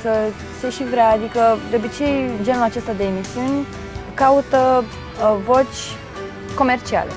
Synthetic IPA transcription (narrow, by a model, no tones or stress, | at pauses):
sə | seʃivɾeaːd̪ikəd̪eobit͡ʃe̞jd͡ʒe̞nulat͡ʃe̞st̪ad̪e̞ːmisiunʲ | kaut̪ə | vo̞t͡ʃʲ | ko̞me̞rt͡ʃia̰le̞̰